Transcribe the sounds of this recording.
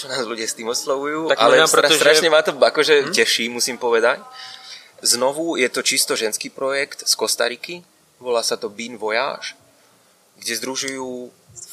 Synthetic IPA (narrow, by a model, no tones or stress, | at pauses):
t͡ʃɔnaːzluɟɪast̪iːmɔslɔʋujuːallɛaɾɾast̪ɾaʃɲɛmat̪ɔakɔʒɛcɛʃiːmusiːmpɔʋɛd̪ac | znɔʋujɛt̪ɔt͡ʃist̪ɔʒɛnskiːpɾɔjɛkt̪skɔst̪a̰ɾiki | ʋɔlaːsat̪ɔbiːnʋɔja̰ːʃ | ɡɟɛzd̪ɾuʒujuː